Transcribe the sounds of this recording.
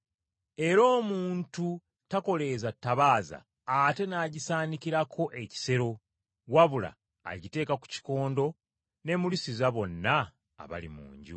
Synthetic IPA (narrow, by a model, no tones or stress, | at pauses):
e̞ɾo̞ːmuːntu | tako̞le̞zatːaβaːza̰ː | te̞naːɟisaːnikiɾakʰo̞ʔe̞ci̥se̞ɾo̞ | waβula̰ː | ɟite̞ːkaku̥ci̥ko̞ːndo̞ | ne̞mulisizaβo̞nːa̰ː | βa̰lḭmṵːɲɟṵ